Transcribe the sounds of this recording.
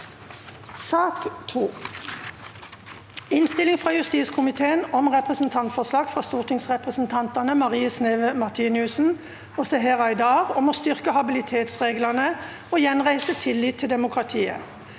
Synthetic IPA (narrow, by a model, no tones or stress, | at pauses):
sɑːkt̪ʰuː | ɪnst̪ɪlɪŋfʁɑːjʉst̪iːskʰʊmɪt̪ʰeːənɔmʁɛpʁəsn̩t̪ʰɑnt̪fɔslɑːɡfʁɑːst̪uːʁt̪ʰɪŋsʁɛpʁəsn̩t̪ʰɑnt̪ɑnəmɑʁiːəsneːʋəmɑʁt̪ʰiːnɪʉsn̩ | oːsɛɦɛʁɑɪd̪ɑːʁɔmoːst̪ʏʁkəhɑbɪlɪt̪ʰeːt̪sʁeːɡlɑnə | oːjɛnʁæɪsət̪ʰɪlːɪːt̪ʰːɪld̪ɛmʊkʰʁɑt̪ʰiːə̰